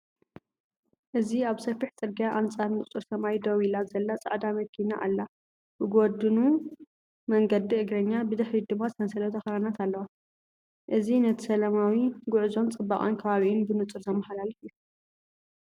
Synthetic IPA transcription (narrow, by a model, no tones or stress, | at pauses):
ʔɨziaβsɐfiħt͡sʼɨɾɡijaʔant͡sʼaɾnɨt͡sʼɨɾsɐmajd̪owilazɐlːat͡sʼa̰ʕd̪amɐkʰːinaʔa̰lːa | bɨɡod̪ɨnu | mɐŋɡɐd̪iɨɡɾɐɲːabɨd̪ɐħlid̪ɨmːazɨt̪ʰɐnsɐlɐt̪ʰɐxɾanat̪ʰalːɐwa | ʔɨzinɐt̪ʰɨsɐlɐmawiɡʊʕzo̞nt͡sʼɨbːaχʼonkʰɐβaβiʔɪnbɨnɨt͡sʼɨɾzʰɐmɐħalalifjːu